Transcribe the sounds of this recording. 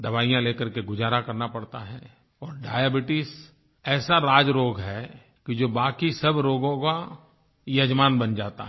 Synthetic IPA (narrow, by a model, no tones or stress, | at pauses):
d̪ɐbaːijãleːkəɾkeɡʊd͡ʒaːɾakɐɾnapɐɽt̪aɦɛ | ɔːɾɖaːjabɪʈɪs | ɛːsaɾaːd͡ʒɾoːɡɦɛ | kid͡ʒoːbaːkisɐbɾoːɡõka | jɐd͡ʒmaːnbɐnd͡ʒaːt̪a̰ɦ